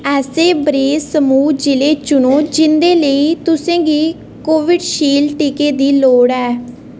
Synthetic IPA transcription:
ɛːseːbɾeːsəmuːd͡ʒɪleːt͡ʃʊnoːd͡ʒɪnd̪eːləiːt̪ʊsẽːɡiː | koːʋɪɖʃiːlʈiːkeːd̪iːloːɽɛː

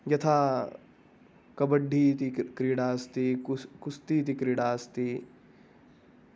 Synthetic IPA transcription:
jɐt̪ʰaː | kɐbɐɖʱːiːt̪ikɾiɽaːst̪ikust̪iːt̪̬ikɾiɽaːst̪i

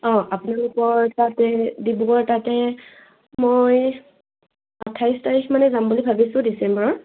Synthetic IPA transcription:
ɔ̃ʔapʊnalʊkɔɹtatɛdibukɔɹtatɛ | moj | atʰːajstaɹikʰmanɛzambulibʱabisʊ̃disɛmbɹɔɹ

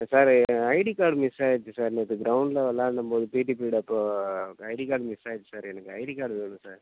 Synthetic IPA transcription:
saːɾɐɪɽikaːɾɖmɪsaːjt͡ʃːɯsaːɾnɐt̪ːɯɡɾɐwʊɳɖlɐʋɐlːãːnɐmpoːðɯpiːʈipiːɽɐpːoːɐɪɽikaːɾɖmɪsaːjt͡ʃːɯ̥saːɾɛnɐkːɯɐɪɽikaːɾɽʋeːɳũsaːɾ

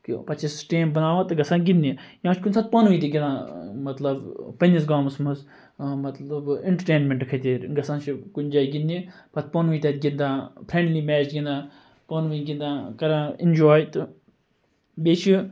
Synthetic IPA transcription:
kḭpɐt͡ʃisʈeːmbɐnaːʋãt̪ɨɡɐsãːɡind̪ijãːt͡ʃʰkunʲsaːt̪̚pɐnʋuːt̪iɡʲid̪ãːmɐt̪lɐbpɐnʲis̬ɡaːmsmɨz | mɐt̪lɐbɪɳʈəʈeːnmʲẽɳʈkʰɐt̪eːɾɡɐsãːt͡ʃʰikund͡ʒaːiɡind̪ipɐt̪ʰpɐnuiːt̪eːt̪ɡʲind̪ãːpʰɾẽːɳɖliːmɛːt͡ʃɡʲĩnd̪ãː | pɐnʋuiɡind̪ãːkɐɾãːɪnd͡ʒoːjt̪ɨ | beːt͡ʃʰi

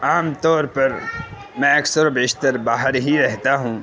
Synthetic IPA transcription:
aːmt̪ɔːɾpɐɾ | mɛ̃ɐksəɾobeːʃt̪əɾbaːɦəɾɦiɾɛɦt̪aɦũː

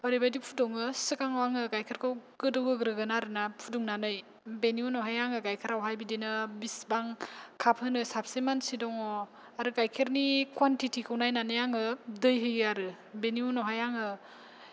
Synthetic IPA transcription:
ɔɾibajdipʰudɔŋɯsɯkaŋwaŋɯkajkʰeɾkʰɯwɡɯdɯwɡɯɡɾɯɡɯnaɾɯnapʰuduŋnanɯj | beniunɔɦajaŋɯkajkʰɯɾawɦajbidinɯbisbaŋkʰapʰhɯnɯsapsimansidɔŋɔ | aɾɯkajkʰeɾnikʰwantitʰikʰɯwnajnanɯjaŋɯdɯjɦɯjaɾɯ | beniunɔwɦajaŋɯ

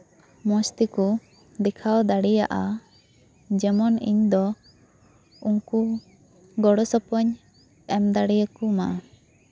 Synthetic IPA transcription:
mɔst̪iku | d̪ɛkʰawd̪aɽijaʔa | d͡ʒɛmɔnḭɲd̪ɔ | uŋku | ɡɔɽɔsɔpɔɲ | ɛmd̪aɽijakuma

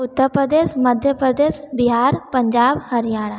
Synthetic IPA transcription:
ʊt̪ːəɾpɾəd̪eːʃməd̪ʱjəpɾəd̪eːʃbɪɦaːɾpə̃ɲd͡ʒaːbhəɾijaːɽa

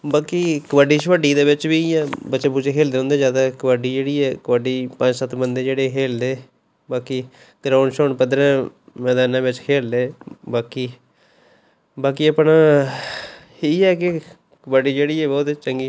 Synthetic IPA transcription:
baːkiːkəʋaɖiːʃʋəɖiːd̪eːʋɪt͡ʃbiːɛːbət̪ːʃeːpuːt͡ʃeːkʰeːld̪eːõnd̪eːd͡ʒjaːd̪aːkəʋaɖiːd͡ʒeːɽiːɛːkəʋəɖiːpə̃ɲd͡ʒsət̪bənd̪eːd͡ʒeːɽeːkʰeːld̪eː | baːkiː | ɡɾãːʊɳɖʃoːɳpəd̪ɾɛ̃ːmɛ̃ːd̪aːnãːʋɪt͡ʃkʰeːld̪eːbaːkiː | baːkiːəpɳaː | iːɛːkɪ | kəbaɖiːd͡ʒeːɽiːɛːbɔːt̪t͡ʃəŋɡiː

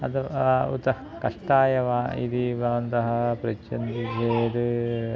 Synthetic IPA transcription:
ɐt̪ɐṵt̪ɐ | kɐʂʈaːjɐʋaːḭd̪ibʱɐʋɐnt̪ɐɦɐpɾɐt͡ʃːɐnd̪id͡ʒeːɾ

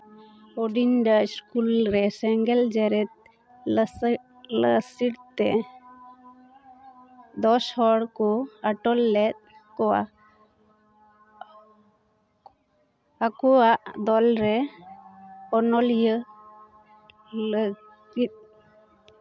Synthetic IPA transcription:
ɔɖinɖaiskulɾɛsɛŋɡɛld͡ʒɛɾɛt̪̚ | ləsiɽt̪ɛ | d̪ɔshɔɽkɔaʈɔlːɛt̪̚kɔwa̰ | akɔwaʔd̪ɔlɾɛ | ɔnɔljə | lə | ɡit̪̚

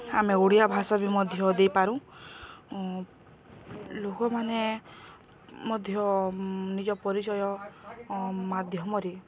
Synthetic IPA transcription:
ameɡuɽijabʱasɔbimɔd̪ʱjɔd̪ejpaɾũ | lokɔmane | mɔd̪ʱjɔnid͡ʒɔpɔɾit͡ʃɔjɔ | mad̪ʱjɔmɔɾi

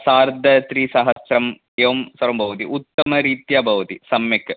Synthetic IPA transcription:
saːɾd̪ʱɐt̪ɾisɐɦɐsɾɐm | eʋɐmsɐɾɐmbʱɐʋɐt̪iʔut̪ːɐmɐɾiːt̪jabʱɐʋɐt̪isɐmjɐk

